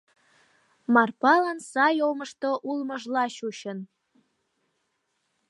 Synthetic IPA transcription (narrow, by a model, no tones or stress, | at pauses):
mɑrpɑlɑnsɑjomɤ̆ʃt̪oʔulmɤʒlɑɕuɕə̆n